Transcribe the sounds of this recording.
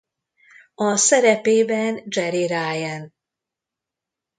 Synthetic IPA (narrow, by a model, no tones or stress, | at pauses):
ɒsɛɾɛpeːbɛnd͡ʒɛɾiɾajɛn